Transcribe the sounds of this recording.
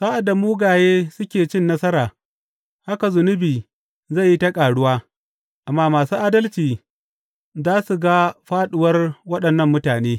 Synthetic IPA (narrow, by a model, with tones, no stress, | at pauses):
saː˦ʔa˨da˨muː˦ɡaː˨jeː˦sʊ˦kʲeː˨t͡ʃɪ˦nːɐ˦sɐ˦ɾaː˨ | ha˦ka˨zʊ˨nʊ˦biː˨ | za˦˨jːi˦tɐ˦kʼaː˨ɽʊ˦waː˦ | ʔa˨mːaː˦maː˨suː˦ʔaː˦dɐ˦lt͡ʃiː˨ | zaː˦su˨ɡa˦ɸaː˦ɗʊ˨wɐ˦rwɐ˦ɗɐ˨nːɐ˦˨mːʊ˦taː˨neː˦